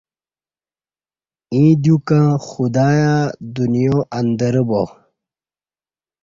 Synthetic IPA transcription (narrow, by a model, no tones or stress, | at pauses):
ĩːd̪jukãxud̪aːjad̪unjoːʔɐnd̪ɐɾəbo